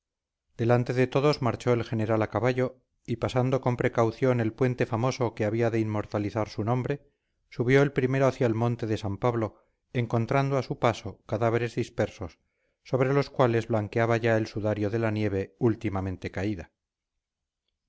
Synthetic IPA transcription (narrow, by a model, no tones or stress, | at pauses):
d̪̥e̞lant̪e̞ðe̞t̪o̞ðo̞zmaɾt͡ʃo̞elxe̞ne̞ɾalakaβaʎo̞ | ipasand̪o̞ko̞mpɾe̞kawθjo̞ne̞lpwe̞nt̪e̞famo̞so̞keaβ̞iaðeimmo̞ɾt̪aliθaɾsunõ̞mbɾe̞ | suβjo̞elpɾime̞ɾo̞aθjaelmõ̞nt̪e̞ðesampaβlo̞ | eŋko̞nt̪ɾand̪oasupaso̞kaðaβ̞e̞ɾe̞zðispe̞ɾso̞sː | o̞β̞ɾe̞lo̞skwale̞zβlaŋkeaβaʝaelsuðaɾjo̞ðe̞lanje̞β̞e̞ult̪imamẽ̞nt̪e̞kaiða